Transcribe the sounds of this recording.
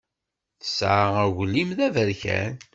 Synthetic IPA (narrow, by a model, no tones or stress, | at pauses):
θə̥sʕaæwlːimðævəɾçæ̰n